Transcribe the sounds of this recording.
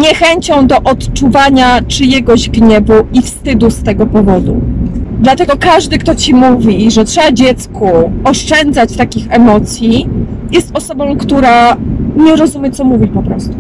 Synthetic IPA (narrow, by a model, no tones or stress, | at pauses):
ɲɛxɛɲt͡ɕɔ̃w̃d̪ɔʔɔt̪t͡ʂuvaɲat͡ʂɘjɛɡɔʑɡɲɛbuifst̪ɘd̪ust̪ɛɡɔpɔvɔd̪ṵd̪lat̪ɛɡɔkaʐd̪ɘkt̪ɔt͡ɕimuvʲiʐɛtʂɛbad͡ʑɛt̪skuɔʂt͡ʂɛnd̪zat͡ɕt̪akʲixɛmɔt̪sʲjijɛst̪ɔsɔbɔ̃w̃kt̪uɾaɲɛɾɔzumʲjɛt̪ɔmuvʲipɔpɾɔst̪u̥